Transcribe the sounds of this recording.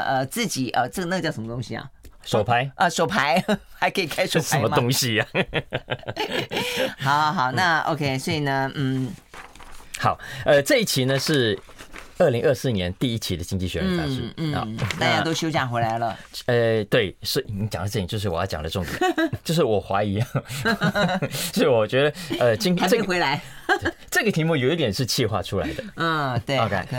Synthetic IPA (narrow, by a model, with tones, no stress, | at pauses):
ʔə˧t͡sɹ̩˥˩t͡ɕi˨˩ʔə˧ʈ͡ʂɤ˥˩ə˧n˥˧ə˧t͡ɕɑ˥˩ʊʂə˧˥mə˧t̪ʊ˥ŋɕi˧ɐ̰˨˩ʂo˨ʊpʰa˧˥ɪʔə˧ʂo˨˩ʊpʰa˧˥ɪxa˧˥ɪkʰɤ˧˥i˨˩kʰa˥ɪʂo˧˥˩ʂaə˧˦mə˧m˧t̪ʊ˥ŋɕi˨˩ | xɑ˨˧˦ʊxɑ˨˩ʊna˥˧o̰˧ʊkʰe˥ɪswɔ˧˥i˨˩nə˦˧n̩˥˩ | xɑ˨˩˦ʊə˧ʈ͡ʂɤ˥˧i˥˩t͡ɕʰi˧˥nə˧ʂɻ̩˥˧ | ə˥˩li˧˥ŋʔə˥˧sɹ̩˥˩njɛ˧˦˥nt̪i˥˧i˥t͡ɕʰi˧˥d̪ə˧t͡ɕi˥ŋt͡ɕi˥˩ɕɥɛ˧˥˧a˥ʂu˥˩a̰˧˩t̪a˥˧˩t͡ɕja˥˧˥t̪o˥ʊɕjo˥ʊt͡ɕja˥˩ŋxwe˧˥ɪla˧˥ɪlə̰˧ə˧t̪we˥˩ɪsi˧ni˧˥t͡ɕjɑ̰˨˩ŋə˧ʈ͡ʂt͡ɕjo˥˧ʂ̬ɻ̩˩wɔ˨˩jɑ˥˩jɑ̰˨˩lə˦ʈ͡ʂʊ˥˩ŋt̪jɛ̰˨˩˦t͡ɕjo˥˧ʊʂ̬ɻ̩˥˩wɔ˨˩xwa˧˥i˧˥jɑ˥˩ŋ | t͡ɕo˥i˥˨˩wɔ˨˩t͡ɕɥɛ˧˥d̪ə˧ə˧t͡ɕi˥ŋa˧˥˩xwe˧˥ɪla˧˥ɪ˩ | ʈ͡ʂɤ˥˩ɡə˩t̪ʰi˧˥mu˥˩jo˨˩i˥t̪jɛ˨˩nʂɻ̩˥˧t͡ɕʰi˥˧xwa̰˥˧ʈ͡ʂʰu˥la̰ɪ˥ɪd̪ə˧˥˩t̪we˥˩o˧kʰe˥ɪ